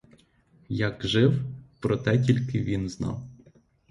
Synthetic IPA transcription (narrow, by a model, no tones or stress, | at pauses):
jɐkʒɪwpɾɔt̪ɛtʲilʲkɪʋʲinznɑ̰w